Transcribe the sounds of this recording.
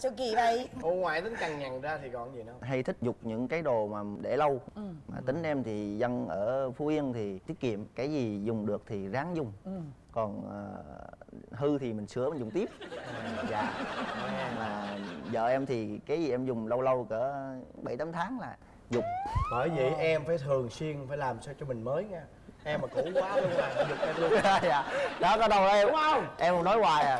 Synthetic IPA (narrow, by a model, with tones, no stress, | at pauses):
so˧ki˧˩və˧˩jo˧ŋwaː˨˩jt̪ï˨˦ŋka˨˩ŋɲa˨˩ŋzaː˧t̪ʰi˨˩kɔ˧˨nzi˨˩na˨˧˦wɦa˧jt̪ʰï˦˥k̟̚zʊ˨˩k͡p̚ɲɨ̰˧˥ŋkaː˨˦jɗo˨˩maː˨˩ɗe˧˩lə˧wmaː˨˩t̪ï˨˦ŋ̟ʔɛ˧mt̪ʰi˨˩zə˧nʔəː˧˩fu˨˧˦ʔi˧ənt̪ʰi˨˩t̪i˦˥ət̚kḭ˧˨əmkaː˨˦jzi˨˩zʊ˨˩ŋ͡mɗɨ˨˩ək̚t̪ʰi˨˩zaː˨˦ŋzʊ˨˩ŋ͡mkɔ˨˩nʔəː˨˩ | ɦɨ˧t̪ʰi˨˩mï˨˩ŋ̟sɨ˨˧˥əmï˨˩zʊ˨˩ŋ͡mt̪i˦˥əp̚za̰ː˧˨˧ɲa˧˩laː˨˩zə̰ː˧˨ʔɛ˧mt̪ʰi˨˩kaː˨˦jzi˨˩ʔɛ˧mzʊ˨˩ŋ͡mlə˧wlə˧wkɨ˧˩əɓə˧˩jt̪aː˨˦mt̪ʰaː˨˦ŋlaː˨˩ | zʊ˨˩k͡p̚ɓəː˧˩jvḭ˧˨ʔɛ˧mfaː˧˩jt̪ʰɨ˨˩əŋswi˧ənfaː˧˩jlaː˨˩msaː˧wt͡ɕɔ˧mï˨˩ŋ̟məː˨˦jɲaː˧ | ʔɛ˧mːaː˨˩kṵ˧˩˥kwaː˨˦lə˧ŋmaː˨˩na˨˧˦zʊ˨˩k͡p̚ʔɛ˧ɨ˧˦˧ja̰ː˧˨ɗɔ˨˦kɔ˨˦ɗə˨˩wa˨˧ʔɛ˧ma˧ʔɛ˧m˧˦nɔ˨˦jwaː˧˩˨j